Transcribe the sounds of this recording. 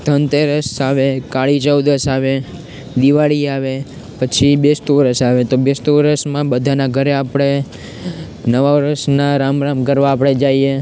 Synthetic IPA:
t̪ənt̪eɾəsaʋekaɭit͡ʃəwd̪əsaʋe | d̪iʋaɭiaʋe | pət͡ʃʰibest̪uʋɾəsaʋet̪obest̪uʋɾəsmãbəd̪ʱanaɡʱəɾeapɽ̃e | nəʋaɾəsnaɾamɾamkəɾʋaːpɽ̃ed͡ʒaie

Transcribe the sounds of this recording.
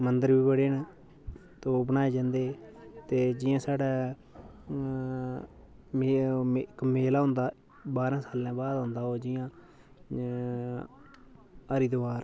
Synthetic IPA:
mənd̪əɾbiːbəɽeːna | t̪oːbənaːeːd͡ʒãːnd̪eːt̪eːd͡ʒɪjãːsaːɽɛː | mekmeːlaːɦʊ̃nd̪aː | baːɾãːsaːlːãːbaːd̪ɦʊ̃nd̪aːɦoːd͡ʒɪjãː | əɾiːd̪oaːɾ

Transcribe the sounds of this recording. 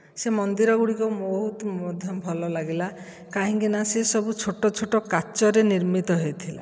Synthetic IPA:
semɔnd̪iɾɔɡuɽikɔmoɦut̪ɔmɔd̪ʱjɔmbʱɔlɔlaɡila | kaɦĩŋkinasesɔbut͡ʃʰoʈɔt͡ʃʰoʈɔkat͡ʃɔɾeniɾmit̪ɔɦejt̪ʰila̰

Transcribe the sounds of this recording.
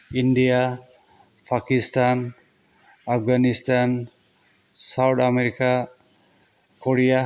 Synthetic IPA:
inɖija | pʰakistan | apʰɡanistan | sawt̪ʰameɾika | kɔɽija

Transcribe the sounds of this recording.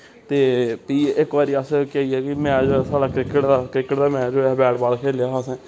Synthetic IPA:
t̪eːpiːɪkʋaːɾiːəskɛiːɛːkɪmɛ̃ːd͡ʒsaːɖaːkɾɪkəʈd̪aːkɾɪkːəʈd̪aːmɛ̃ːd͡ʒoːɛbɛːɽbaːlkʰeːljaːɦsɛ̃ː

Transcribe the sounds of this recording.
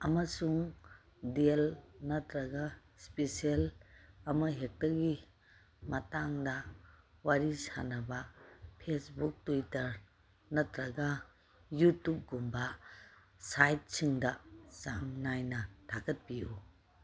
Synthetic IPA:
ɐmɐsuŋ | delnɐtʰɾɐɡɐ | spesielɐmɐɦek̚tɐɾɡi | mɐtaŋdɐ | waɾisa̰nɐbɐpʰesbuk̚tujtɐɾ | nɐtʰɾɐɡɐ | jutːup̚ɡumbɐ | sajt̚siŋdɐsaŋnajnɐtʰakɐt̚piju

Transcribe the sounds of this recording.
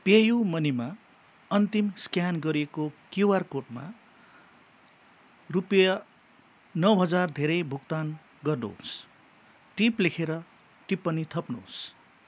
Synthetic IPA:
pejumʌnima | ʌnt̪imskjanɡʌɾiekokjuwarkoʈma̰ | rupijʌ | nʌwɦʌd͡zard̪ʱeɾʌjbʱuk̚t̪an | ɡʌrnṵɦo̰s | ʈiplekʰeɾʌ | ʈipːʌnit̪ʰʌpnṵs

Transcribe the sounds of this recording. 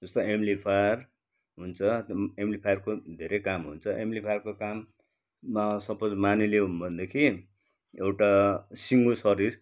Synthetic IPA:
d͡zʌst̪ʌemlipʰajr | ɦunt͡sʰʌemlipʰajʌrkod̪ʱeɾejkamɦunt͡sʰʌʔemlipʰajrkokamː | asʌpʌd͡zmanileɦunbʱʌnd̪ekʰi | ewʈasiŋɡosʌɾir

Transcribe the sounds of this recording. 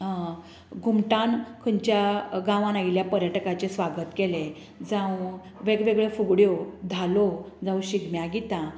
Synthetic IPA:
ɡʱumʈãnkʰəɲt͡ɕjaɡãʋãnailjapəɾjəʈkat͡ɕesʋaɡət̪kele | d͡zãw | ʋeɡʋeɡɭefuɡɽjod̪ʱalo | d͡zãw̃ɕiɡmjaɡit̪ã

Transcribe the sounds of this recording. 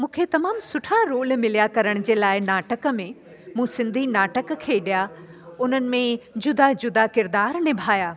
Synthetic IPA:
mũːkʰet̪ɐmaːmsʊʈʰaɾoːlmɪlijakɐɾəɽ̃ʊd͡ʑeːlaːɪnaːʈəkə̆mẽ | mũːsɪ̃nd̪ʱinaːʈəkkʰeːɗijaʊnənɪ̆mẽd͡ʑʊd̪ad͡ʑʊd̪akɪɾd̪aːɾnɪbʱaːjaː

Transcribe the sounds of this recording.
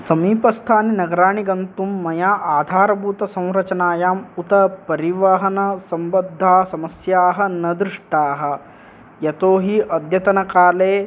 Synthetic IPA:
sɐmiːpɐst̪ʰaːninɐɡɐɾaːɳiɡɐnt̪umːɐjaːʔaːd̪ʱaːɾɐbʱuːt̪ɐsɐ̃w̃ɾɐt͡ʃɐnaːjaːmut̪ɐpɐɾiʋɐɦɐnɐsɐmbɐd̪ʱːaːsɐmɐsjaːɦɐnɐd̪ɾuʂʈaːɦɐ̆ | jɐt̪oːɦiʔɐd̪jɐt̪ɐnɐkaːleː

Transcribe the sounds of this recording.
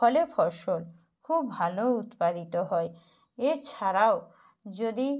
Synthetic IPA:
ɔlefʰɔɾʃol | kʰubːʱalout̪pad̪it̪oɦɔe | eɾt͡ɕʰaɾao | d͡ʑod̪i

